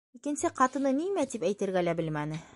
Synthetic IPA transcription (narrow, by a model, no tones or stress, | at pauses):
ikɘ̆nsɘqɑt̪ɤ̆nɤnimæt̪ipæjt̪ɘ̆ɾɡælæbɘlmænɘ